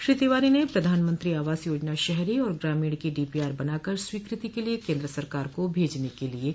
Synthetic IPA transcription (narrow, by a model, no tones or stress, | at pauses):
ʃɾiːt̪eːʋaːɾinepɾɐd̪ʱaːnmɐ̃nt̪ɾiaːʋaːzjoːd͡ʒnaʃɛɦɾiɔːɾɡɾaːmiːɽkiɖiːpiaːɾbɐnaːkəɾswiːkɾɪt̪ikeliekẽːnd̪ɾəsɐɾkaːɾkobʱeːd͡ʒnekelie